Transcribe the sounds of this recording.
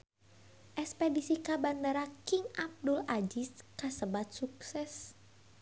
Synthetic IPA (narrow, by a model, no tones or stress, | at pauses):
ʔɛkspedisikabandəɾakɪŋʔab̚dʊlad͡ʒiskasəbat̪̚suk̚sɛs